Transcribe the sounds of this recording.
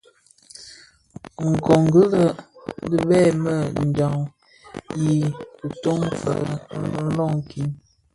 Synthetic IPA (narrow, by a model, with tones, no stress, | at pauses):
ŋ̩˨kɔ˨ŋɡə˦lə˦də˦bɛː˦˨mə˦˨n̩˨d͡ʒa˨ŋ | ji˨u˨to˦ŋfə̰˨n̩˦lɔ˦˨ŋ˨ki˦n